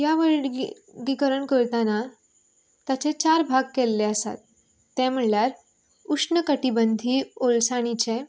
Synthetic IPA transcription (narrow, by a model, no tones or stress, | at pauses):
jaʋəɭ | ɡikəɾəɳkəɾt̪ana | t̪at͡ɕet͡ɕaɾbʱaɡkɛlːeəsa̰t̪ː | ɛ̃m̤əɭljaɾ | uʂɳəkəʈibənd̪ʱiolsaɽ̃it͡ɕe